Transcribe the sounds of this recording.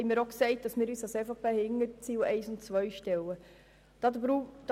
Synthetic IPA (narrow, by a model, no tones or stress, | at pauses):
hɛɪmiːɾoksɛɪt̚d̥ɑsmɪːɾyːsɑsɛfopʰehɪŋːəɾt͡siːwɛɪsʊntt͡sʋœjʃtɛwə | d̥ɑdɾud̥